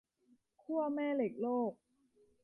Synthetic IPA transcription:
kʰu˥˩ɐmɛː˥˩le˨˩k̚loː˥˩k̚

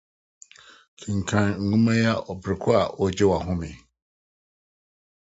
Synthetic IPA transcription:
kʰĩ˨ŋ̩˨kʰã˨nŋ̩˨ɡũ˦mã˦ja˦ʔɔ˨bɾɪ˨kʰʊ˦a˨ʔɔ˨d͡ʑɪ˦wa˨ɦʊ̃˦mɪ̰̃˨

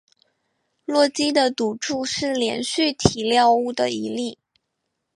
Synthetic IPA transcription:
lwɔ˥˩t͡ɕi˥d̪ə˨t̪u˨˩ʈ͡ʂu˥˧ʂɻ̩˥˩ljɛ̰˧˥nɕy˥˩t̪ʰi˨˩ljɑ˥˧ʊu˥˩d̪ə˩i˧˥li˥˩

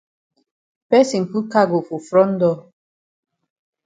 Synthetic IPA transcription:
pɛ˦si˨ŋ̩˨ku˦ka˦ɡo˨fu˨fɾɔ˦n̩˦dɔ˦

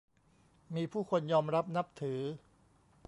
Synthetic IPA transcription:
miː˧pʰuː˥˩kʰo˧njɔː˧mɾa˦˥p̚na˦˥p̚t̪ʰɯː˩˦

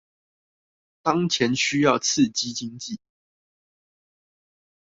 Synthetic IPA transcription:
t̪ɑ˦ŋt͡ɕʰjɛ˨˦nɕy˦jɑ˥˨ʊt͡s̩ʰ˥˨t͡ɕi˦˥t͡ɕi˦ŋt͡ɕi˥˨

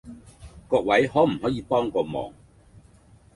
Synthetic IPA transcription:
kɔː˧k̚wɐ˨˥jhɔː˨˥m̩˨˩ɦɔː˨˥jiː˨˧pɔː˥ŋkɔː˧mɔ̰ː˨˩ŋ

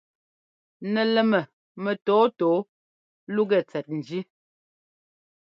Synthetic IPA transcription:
nɛ˨lɛ˨mɛ˨ | mɛ˨tɔː˨˦tɔː˨˦ | lu˦ɡɛ˦˨t͡sɛ˨t̚n̩˨d͡ʒi˦

